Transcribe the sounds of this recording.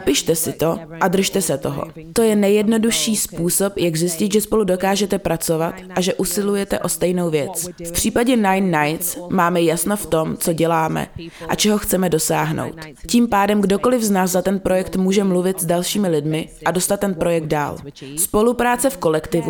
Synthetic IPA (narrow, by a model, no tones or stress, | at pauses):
pɪʃt̪ɛsɪt̪o̞ʔad̪r̩ʃt̪ɛsɛt̪o̞ɦo̰ | t̪o̞jɛnɛjɛdno̞duʃiːspuːso̞pjaɡzjɪscɪt̪ʒɛspo̞ludo̞kaːʒɛt̪ɛpɾat͡so̞vat̪ʔaʒɛʔusɪlujɛt̪ɛʔo̞st̪ɛjno̞wvjɛt͡sfpr̝̥iːpaɟɛnajnːajt̪t͡smaːmɛjasnoft̪o̞mt͡so̞ɟɛlaːmɛ̰ʔat͡ʃɛɦo̞xt͡sɛmɛdo̞saːɦno̰wt̪ | ciːmpaːdɛmɡdo̞ko̞lɪvznaːzzat̪ɛnpɾo̞jɛkt̪muːʒɛmluvɪt̪zdalʃiːmɪlɪdmɪʔado̞st̪at̪ːɛnpɾo̞jɛɡ̚d̪da̰ːlspo̞lupɾaːt͡sɛfko̞lɛkt̪ɪvu